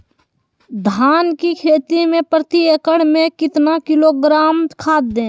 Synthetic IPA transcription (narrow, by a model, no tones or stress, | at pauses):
d̪ʱaːnkikʰeːt̪imẽpɾət̪iekəɽmẽkɪt̪nakɪloɡɾaːmkʰaːt̪̚d̪ẽː